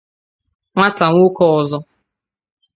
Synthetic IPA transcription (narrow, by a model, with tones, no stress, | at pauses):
ŋʷa˦ta˨ŋʷʊ˦kɔ˦˨ɔ˨zɔ˦